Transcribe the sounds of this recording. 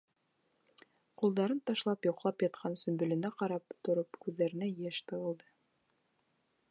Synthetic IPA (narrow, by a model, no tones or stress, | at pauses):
qulˠd̪ɑɾɤnt̪ɑʃlˠɑpjŏqlˠɑpjɑt̪̚qʰɑnsɵ̆mbɵ̆lɘ̆næqɑɾɑpt̪ŏɾɤpkʉðːæɾɘ̆næjæʃt̪ɤ̆wɤ̆lˠd̪ɤ